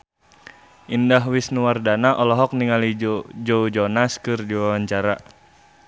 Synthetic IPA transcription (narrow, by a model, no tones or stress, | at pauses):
ʔindaɦwisnuwardanaʔɔlɔɦɔk̚niŋalid͡ʒd͡ʒoud͡ʒɔnaskɨrdiwawaɲt͡ʃaɾa